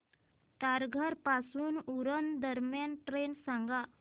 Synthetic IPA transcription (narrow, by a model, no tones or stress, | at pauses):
t̪aɾɡʱəɾpasuːnuɾənd̪əɾmjanʈɾensãŋɡa